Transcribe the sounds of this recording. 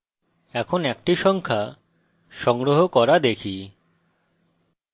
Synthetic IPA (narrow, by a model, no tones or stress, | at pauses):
ɛkʰonɛkʈiʃɔŋkʰa | ʃɔŋɾoɦokɔɾad̪ekʰi